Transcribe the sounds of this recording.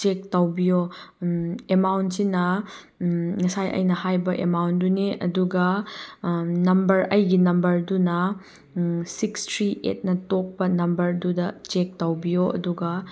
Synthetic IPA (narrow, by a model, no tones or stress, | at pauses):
t͡ʃek̚tɐwbijo | emawntsinɐ | ŋɐsajʔɐ̰jnɐhajbɐʔemawntduneʔɐduɡɐ | nɐmbɐɾɐjɡinɐmbɐɾdunɐ | sikstʰɾiʔḛt̚nɐtok̚pɐnɐmbɐɾdudɐt͡ʃek̚tɐwbijoʔɐ̰duɡɐ